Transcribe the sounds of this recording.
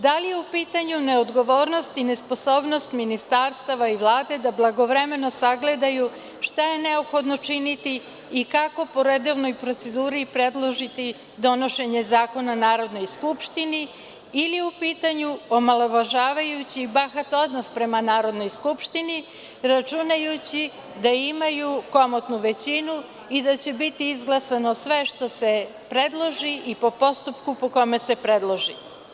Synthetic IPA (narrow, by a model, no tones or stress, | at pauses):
d̪alijeupiːt̪aɲune̞od̪ɡo̞ʋo̞ːɾno̞st̪ine̞spo̞so̞ːbno̞st̪minist̪aɾst̪aʋaiʋlˠaːd̪e̞d̪ablˠaɡo̞ʋɾe̞me̞no̞saɡle̞d̪aju | ʃt̪aje̞ne̞o̞pxo̞d̪no̞t͡ʃinit̪iː | kako̞po̞ɾed̪o̞ʋno̞jpɾot̪se̞d̪uːɾipɾe̞d̪lˠo̞ʒit̪i | d̪o̞no̞ʃe̞ɲe̞zaːko̞nanaːɾo̞d̪no̞jskupʃt̪ini | iliupiːt̪aɲuomalˠoʋaʒaːʋajut͡ɕiːbaxat̪o̞d̪nospɾe̞manaːɾo̞d̪no̞jskupʃt̪ini | ɾat͡ʃunajut͡ɕi | d̪aimajuko̞mot̪nuʋe̞t͡ɕinu | id̪at͡ɕe̞bit̪iizɡlˠasanosʋe̞ʃt̪o̞se | pɾed̪lˠo̞ʒiʔipo̞po̞st̪upkupo̞ko̞me̞se̞pɾed̪lˠoʒi